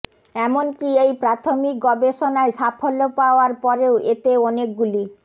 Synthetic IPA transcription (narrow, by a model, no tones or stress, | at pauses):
ɛmonkiejpɾat̪ʰomik̚ɡɔbeʃonaeʃapʰolːopaoaɾpɔɾeoet̪eɔnek̚ɡuli